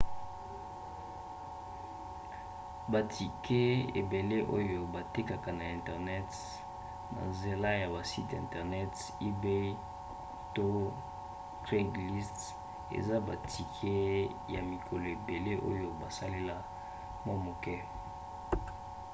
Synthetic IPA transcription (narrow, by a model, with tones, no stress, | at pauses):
ba˨tʰi˨kʰe˦ḛ˨be˨le˦ʔo˦jo˨ba˨te˦ka˨ka˨na˨ɛ̃˨ntɛ˨ʁnɛ˦t | na̰˨nze˨la˦ja˨ba˨si˦tɛ̰̃˨ntɛ˨ʁnɛ˦t | i˦be˦ | to˦ | tʁe˦ɡli˦st | ḛ˨za˦ba˨tʰi˨kʰe˦ | ja̰˨mi˨kʰo˨lo˨e˨be˨le˦ʔo̰˦jo˨ba˨sa˦le˦la˦ | ma˦mo˨kɛ˦